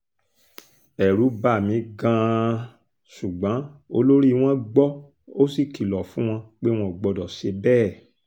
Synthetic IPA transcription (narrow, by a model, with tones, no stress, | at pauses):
ɛ˨ɾu˨˦ba˦˨mĩ˨˦ɡã˧ | su˨ɡ͡bã˨˦o˧lo˦ɾi˦˧w̃ɔ̃˦ɡ͡bɔ˦ | o˦si˦˨ki˨lɔ˨fũ˦w̃ɔ̃˧k͡pe˦w̃ɔ̃˧˨ɡ͡bɔ˧dɔ˨ʃe˧bɛː˦˨